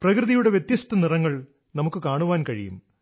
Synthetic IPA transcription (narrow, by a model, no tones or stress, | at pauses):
prɐkrɨðijuɽe̞ʋjet̪jɐst̪ʰɐnirɐŋːɐɭ | nɐmukːɨkaːɳuʋaːnkɐɻḭjṵm